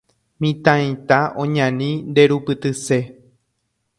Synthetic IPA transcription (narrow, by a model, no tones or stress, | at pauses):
mĩt̪ãĩt̪aʔõɲãnĩnd̪e̞ɾupɨt̪ɨse̞